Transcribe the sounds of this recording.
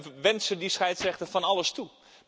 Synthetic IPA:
ʋɛntsədisxɛjtsrɛxtəfɔnaləstu

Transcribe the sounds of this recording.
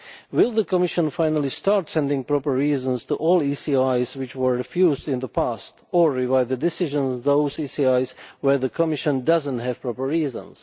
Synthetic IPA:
wɪlˠðəkɔmɪʃə̃nfãɪnəlˠistɑɹtsɛ̃ndɪ̃ŋpɹɔpə˞ːiːzə̃nstuʔɔlˠisiajzwɪt͡ʃwə˞ɹɪfjuːzdɪ̃nðəpʰastɔɹɹɪvaɪðədɪsɪʒə̃nðoʊzisiaɪzwɛ˞ðəkʰɔmɪʃə̃ndʌzə̃ntɦɛv̥pɹɔpə˞ːiːzə̰̃ns

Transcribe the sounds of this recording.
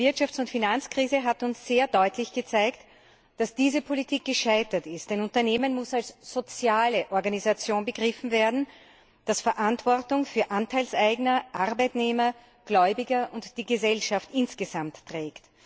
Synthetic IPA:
vɪɐtʃaft͡sʊntfinant͡skʁ̥iːzəɦatʊnsz̥eːɐdɔʏtlɪçɡ̥ət͡saɪkt | d̥asd̥iːzəpʰolitʰiːk̚ɡ̥əʃaɪtɐtɪstɛɪnʊntɐneːmənmʊsalsz̥ot͡sjaːləʔɔɐɡanizat͡sjoːnbəɡʁɪfn̩veːɐdn̩ | d̥asfɛɐʔantv̥ɔɐtʊŋfyːɐʔantʰaɪlsæɪɡnɐʔaʁbæɪtneːmɐ | ɡ̥lɔʏbɪɡɐʔʊntd̥iːɡəzɛlʃaftʔɪnsɡ̥əzamtːʁɛːkt

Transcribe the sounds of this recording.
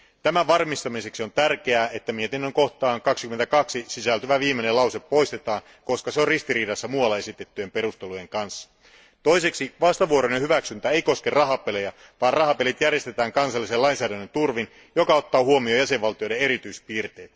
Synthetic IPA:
t̪æmæʋɑrmist̪ɑmise̞ksio̞nt̪ærk̟e̞æːet̪ːæmiet̪enːøŋko̞ht̪ɑːŋkɑksi̥kyment̪ækɑksisisælt̪yʋæʋiːmːenelɑwseppo̞jst̪et̪ɑːn | ko̞skɑseorist̪iɾiːdɑsːɑmuɑlːɑe̞sit̪et̪ːyjempe̞ɾust̪eluje̞ŋkɑnsːɑ̥ | t̪o̞jse̞ksiʋɑst̪ɑʋuoɾonehyʋæksynt̪æeijko̞skerɑɦɑpelejɑ | ʋɑːrrɑɦɑpelit̪jærje̞st̪e̞t̪æːŋkɑnsɑlːise̞lɑinsæːdænːønt̪urʋin | jokɑo̞t̪ːɑːhuo̞mio̞jæse̞ʋʋɑlt̪ijo̞jdee̞ɾit̪yispiːrt̪eːt̪

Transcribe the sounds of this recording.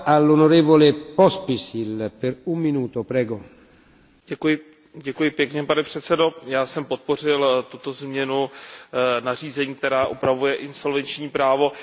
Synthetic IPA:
alːonoɾɛːvolɛpospisilpɛɾumːinuːt̪opɾɛːɡo | ɛkujɪ | ɟɛkujɪpjɛkɲɛpanɛpr̝̥ɛt̪sɛdo̞jaːsɛmpot̪̚po̞r̝ɪlt̪ut̪ozmɲɛnu | nar̝iːzɛɲiːk̚t̪ɛɾaːʔupɾavujɛʔɪnso̞lvɛnt͡ʃɲiːpɾaːvo̞

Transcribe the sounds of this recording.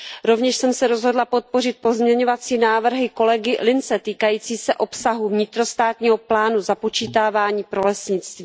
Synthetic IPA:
ɾo̞vɲɛʃsɛmsɛɾo̞zɦo̞dlapo̞t̪̚po̞rɪt̪̚po̞zmɲɛɲo̞vat͡siːnaːvr̩ɦɪko̞lɛɡɪlɪnt͡sɛt̪iːkajiːt͡siːsɛʔo̞psaɦuvɲɪt̪ɾo̞st̪aːt̪ɲiːɦo̞plaːnuzapo̞t͡ʃiːt̪aːvaːɲiːpɾo̞lɛsɲɪt͡st̪viː

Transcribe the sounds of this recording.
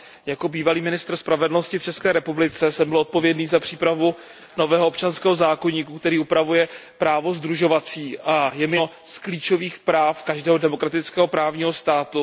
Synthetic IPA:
jako̞biːvaliːmɪnɪst̪r̩spɾavɛdl̩no̞scɪft͡ʃɛskɛːɾɛpublɪt͡sɛsɛmbɪlʔot̪̚po̞vjɛdniːzapr̝̥iːpɾavu | no̞vɛːɦoop̚t͡ʃanskɛːɦo̞zaːko̞ɲiːkukt̪ɛɾiːupɾavujɛpɾaːvozd̪ɾuʒo̞vat͡siːʔajɛmɪskliːt͡ʃo̞viːxpɾaːfkaʒdɛːɦodɛmo̞kɾat̪ɪt͡skɛːɦo̞pɾaːvɲiːɦo̞st̪aːt̪u

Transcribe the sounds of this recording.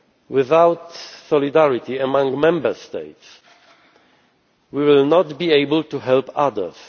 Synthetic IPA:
wɪðawt̪sɔlidæɹit̪iəmãŋɡmɛ̃mbəst̪eɪt̪s | wiwɪlnɔt̪bieɪbəlt̪uɦɛlpaðə̰˞s

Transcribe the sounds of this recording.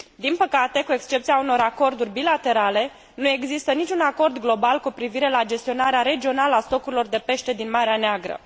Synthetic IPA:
d̪inpəkat̪e̞kue̞kst͡ʃe̞pt̪siauno̞ɾako̞rd̪urʲbilat̪e̞ɾale̞ | nue̞ɡzist̪ənit͡ʃʲunako̞rd̪ɡlo̞balkupɾiviɾe̞lad͡ʒe̞st̪io̞naɾeaɾe̞d͡ʒio̞naləast̪o̞kuɾilo̞rd̪e̞pe̞ʃt̪e̞d̪inmaɾeaneaɡɾə̰

